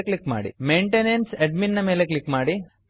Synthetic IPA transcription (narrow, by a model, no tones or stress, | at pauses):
klikma̰ːɽḭmejɳʈenenseɖminːɐme̞ːleklikmaːɽi